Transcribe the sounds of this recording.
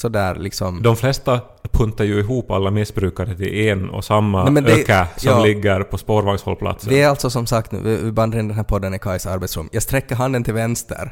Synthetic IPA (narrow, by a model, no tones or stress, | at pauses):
sɔd̪æːɾlɪksɔmd̪ɔmflɛst̪a | pʰɵnt̪aɾjʉɪɦuːpa̰lːamɪsbɾʉ̟ːkaɾət̪ʰɪ̰lɛnɔ̰samːamɛnd̪økasɔmlɪɡːəɾpʰɔspoːɾvaŋshɔ̰lpʰla̰t̪sdəɪɛɾalt̪sɔsɔmsakt̪n̰ːɪɪband̪əɾɪnd̪ɛnɦæːɾpʰɔd̪ːənɪkʰaɪsaɾbɛt̪sɾɵ̰mjɑːɡst̪ɾɛkːəɾɦand̪ənt̪ʰɪlvɛnst̪ə̰ɾ